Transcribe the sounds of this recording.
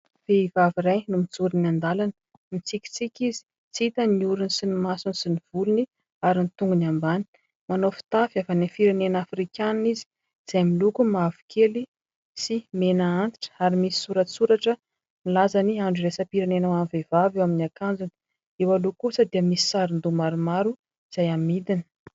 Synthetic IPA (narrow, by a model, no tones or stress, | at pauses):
v̥eivaviɾajnumit͡suɾinand̪alanə̥ | mit͡sikʲi̥t͡sikʲizi̥ | t͡siit̪əniuɾunisinimasunisiniv̥uluni | aɾinit̪uŋɡunambani̥ | manofi̥t̪afavanifiɾenenafrikʲannizi̥ | z̥ajmilukumavu̥kʰeli | simenaant̪i̥ʈ͡ʂə̥aɾimisi̥suɾəsuɾaʈ͡ʂə | nilazaniaɳɖ͡ʐuɾesəpiɾenenawanvevavewaminiakand͡zuni̥ | ewalukusəd̪iəmisi̥saɾind̪umaɾumaɾu | iz̥ajamid̪ini̥